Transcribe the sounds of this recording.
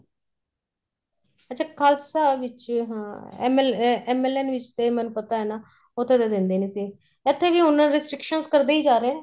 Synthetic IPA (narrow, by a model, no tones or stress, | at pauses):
ətːt͡ʃʰaːkʰaːlsaːʋɪt͡ʃɦmɛːmɛːlɛːnʋɪt͡ʃt̪eːmɛːnũːpət̪aːɦɛːnaː | ʊt̪ʰːeːt̪eːd̪ɪnd̪eːneːsiː | ɪt̪ʰːeːʋiːʊnːãnɾɪsʈɾɪkʃənskəɾd̪eːiːd͡ʒaːɾeːnː